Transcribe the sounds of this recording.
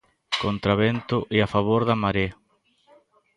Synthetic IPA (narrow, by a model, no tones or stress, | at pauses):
kont̪ɾaβent̪ʊʔeafaβoɾðamaɾe